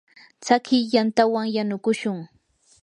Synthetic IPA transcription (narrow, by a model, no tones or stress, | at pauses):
t͡sakɪjjant̪awaŋjanʊkʊʃʊŋ